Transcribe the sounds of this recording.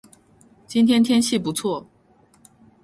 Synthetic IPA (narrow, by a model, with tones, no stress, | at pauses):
t͡ɕi˥nt̪ʰjɛ˥nt̪ʰjɛ˥nɕi˥˩pu˧˥t͡sʰwɔ˥˩